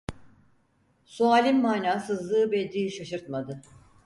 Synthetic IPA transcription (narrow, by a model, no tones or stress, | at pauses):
sualʲimːaːnaːsɯzlˠɯːbɛd̪iːʃaʃɯɾt̪mad̪ɯ